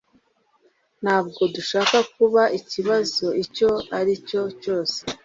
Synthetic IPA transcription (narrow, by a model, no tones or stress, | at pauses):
n̥haːbɡo̞duʃaːkakuβaiciβazo̞ico̞aɾico̞co̞ːse̥